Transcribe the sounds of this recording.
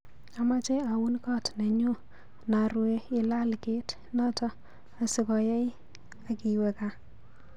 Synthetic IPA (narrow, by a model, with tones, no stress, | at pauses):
a˨ma˦t͡ʃe˦a˨wu˦nkɔ˦tne˨ɲu˦ | na˨ɾwe˦ɪ˦la˦lke˦t | nɔ˦tɔ˦ | a˨sɪ˨kɔ˨jɛ˦j | a˨ki˨we˨ka˨